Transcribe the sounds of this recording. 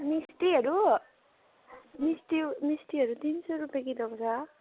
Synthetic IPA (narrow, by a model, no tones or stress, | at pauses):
misʈiɦʌɾu | misʈimisʈiɦʌɾut̪insoɾupjãkid̪ʌpʌsʰa